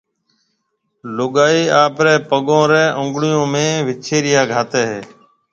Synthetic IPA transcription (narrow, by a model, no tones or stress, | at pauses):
lʊɠaːiːaːpɾɛːpəɠõːɾɛːʔʊ̃ŋɡɽɪjõːmẽːʋɪt͡ʃʰeːɾɪjaːɡʱaːt̪eːɦeː